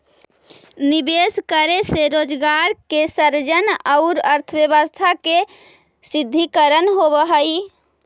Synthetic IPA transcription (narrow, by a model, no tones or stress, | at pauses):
nibeskəɾeseɾod͡ʒɡaɾkesəɾd͡ʒənaʊɾəɾt̪ʰəbjəbəst̪ʰake | sid̪ʱːikəɾənɦobəɦəj